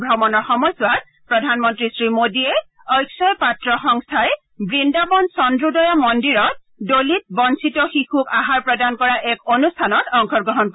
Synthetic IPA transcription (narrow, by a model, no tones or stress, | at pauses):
bʱɹɔmɔnɔɹxɔmɔjsʊwat̚ | pɹɔdʱanmɔntɹisɹimodiɛ | ɔjksɔjpatɹɔxɔŋstʰaj | bɹindabɔnsɔndɹudɔjamɔndiɹɔt̚ | dolit̚bɔnsitɔxixukaɦaɹpɹɔdankɔɹaʔɛkonustʰanɔtɔŋkʰɔɹɡɹɔɦɔnk